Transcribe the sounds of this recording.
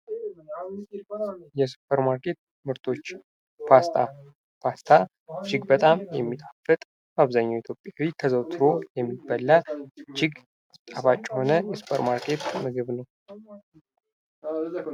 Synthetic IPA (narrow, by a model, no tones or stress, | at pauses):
jɛsu̥pʰəɾmaɾkʰe̞t̪̚ | mɨɾt̪ʰo̞t͡ʃː | pʰast̪ʰa̰ | pʰast̪ʰa | d͡ʒɪɡbət̪ʼamjɛmːit̪ʼafɨt̪ʼ | maβzaɲːawit̪ʰjo̞pʼjawit̪ʰəzəwt̪ʰɨɾo̞jɛmːibəlːad͡ʒɪɡ | t̪ʼafat͡ʃʼːɛho̞nəjɛsu̥pʰəɾmaɾkʰe̞t̪mɨɡɨβnəw